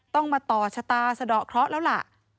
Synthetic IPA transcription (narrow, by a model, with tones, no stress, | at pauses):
t̪ɔ˥˩ŋmaː˧t̪ɔː˨˩t͡ɕʰa˧t̪aː˧sa˧dɔː˨˩kʰɾɔ˦˥ʔlɛː˦˥wla̰˨˩ʔ